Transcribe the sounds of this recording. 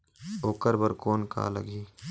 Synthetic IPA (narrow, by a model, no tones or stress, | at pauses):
oːkəɾbəɾkoːnka̰ːlə̰ɡiː